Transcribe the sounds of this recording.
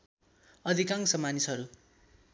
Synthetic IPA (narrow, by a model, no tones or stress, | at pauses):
ʌd̪ʱikaŋsʌmanisɦʌɾu